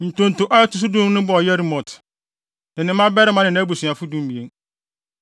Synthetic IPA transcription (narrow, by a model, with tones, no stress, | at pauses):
n̩˨tõ˨n̩˨tʊ˨ʔa˦ɛ˦tʊ˨s̬u˦dũ˦m˦nʊ̃˦bɔ˦˨ɔ˨jɛ˦ɾi˦mɔ̃˨tʰ | nɪ̃˨nɪ̃˨mã˦bɛ˦ɾɪ˦mã˦nɪ̃˨nã˦bu˨su˨a˨fʊ˦dũ˦m˦bi˨e˦n